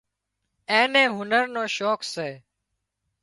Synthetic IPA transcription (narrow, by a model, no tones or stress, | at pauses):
ẽːnẽːɦʊnəɾnoːʃoːkseː